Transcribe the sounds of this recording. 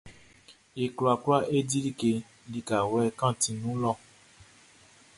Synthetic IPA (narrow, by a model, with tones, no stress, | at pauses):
e˨klu˨a˨ka˦ʔe˦di˦li˦ke˧ | li˧ka˨wɛ˧kã˦˨tĩ˧nũ˨˦lɔ˦˨